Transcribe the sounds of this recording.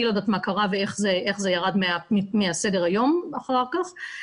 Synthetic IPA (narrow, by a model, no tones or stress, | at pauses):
ilod̪at̪makaʁaveeχzeʔeχzejaʁad̪meammiasedeʁajo̞maχaʁkaχ